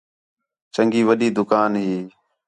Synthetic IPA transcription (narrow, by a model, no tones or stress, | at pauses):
t͡ʃəŋɡiːʋəɗiːd̪ʊkaːnɦiː